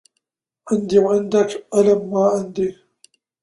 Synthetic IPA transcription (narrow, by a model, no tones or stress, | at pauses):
ʕɪnd̪iwʕɪnd̪akʔalamːaːʕɪnd̪i